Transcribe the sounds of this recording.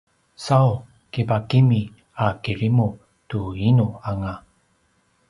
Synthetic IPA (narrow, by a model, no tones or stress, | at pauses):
saw | kipakimi | akiɾimu | tuinuaŋa